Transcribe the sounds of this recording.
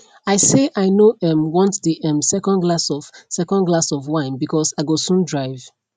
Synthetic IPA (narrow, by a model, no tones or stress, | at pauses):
aɪseʔaɪnoɛ̃mwɔ̃ntdeʔɛ̃msɛkɔ̃nɡlasɔv̥sɛkɔ̃nɡlasɔvwãɪ̃nbikʰɔsaɪɡosũndɹaɪv̥